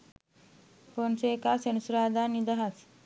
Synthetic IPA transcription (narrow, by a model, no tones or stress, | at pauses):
ponsekasenusuɾaːd̪anid̪ɐɦat͡s